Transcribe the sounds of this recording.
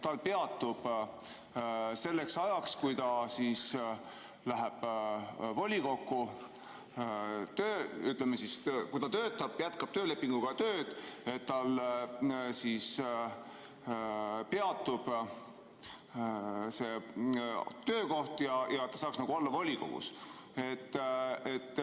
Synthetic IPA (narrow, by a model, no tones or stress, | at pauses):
t̪ɑlpe̞ɑt̪ːˑub̥ | se̞lːe̞ksɑjɑkskujt̪ɑsiːs | læɦeb̥ | volʲiko̞kːu | t̪øːyt̪lemesiskujt̪ɑt̪ø̞ːt̪ːˑɑb̥jæt̪kɑb̥t̪øːle̞pːˑiŋɡ̥uɡ̥ɑt̪øːd̪̥e̞t̪t̪ːɑl | sis | pe̞ɑt̪ːˑub̥ | se̞ | t̪ø̞ːko̞ht̪jɑjʔɑt̪ːɑsɑːksnɑɡuolːɑvolʲiko̞̰ɡ̥ṵs | e̞t̪ːet̪ː